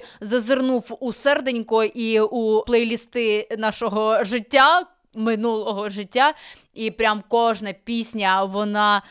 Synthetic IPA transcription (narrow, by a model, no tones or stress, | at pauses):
zɐzɪrnuwusɛrd̪enʲkʊʔiuplˠɛjlʲist̪ɪnɑʃɔɦɔʒɪtʲːa | mɪnulˠɔɦɔʒɪtʲːa | ipɾʲamkɔʒnɐpʲisʲnʲɐʋɔnɑ